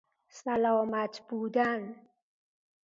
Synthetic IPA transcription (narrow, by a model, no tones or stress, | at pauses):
salɔːmat̪bud̪an